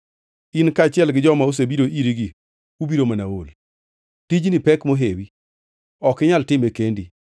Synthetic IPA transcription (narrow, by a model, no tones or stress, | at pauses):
inkat͡ʃɪɛlɡɪd͡ʒɔmaus̬ebiɾoʔiɾiɡi | ubiɾomanawol | tid͡ʒnipɛkmoɦewi | ɔkɪɲaltɪmekendi